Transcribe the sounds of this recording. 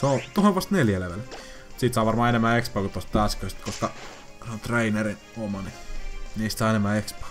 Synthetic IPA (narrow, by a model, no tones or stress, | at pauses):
seot̪ohonʋɑst̪neljæleʋel | siːˑt̪sɑːˑʋɑrmɑːenemːæekspɑˑkut̪ːost̪ɑˑskørst̪koskɑ | seont̪reinerinomɑniniːst̪sɑˑːenemːæːekspɑ̥